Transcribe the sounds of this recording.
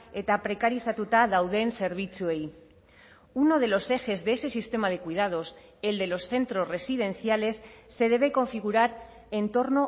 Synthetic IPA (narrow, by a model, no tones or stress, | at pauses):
e̞t̪apɾe̞kaɾisat̪ut̪aðawðe̞nse̞ɾβ̞it͡sue̞j | uno̞ðe̞lo̞se̞xe̞zðese̞sist̪e̞mað̞e̞kuið̞að̞o̞s | e̞ld̪e̞lo̞sθe̞nt̪ɾo̞zre̞sið̞e̞n̟θjale̞sːe̞ð̞e̞β̞e̞ko̞ɱfiɣ̞uɾaɾ | ent̪o̞ɾno̞